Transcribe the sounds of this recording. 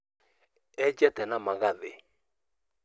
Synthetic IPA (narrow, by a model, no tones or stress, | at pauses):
ɛd͡ʒɛtɛnamaɣaðḛ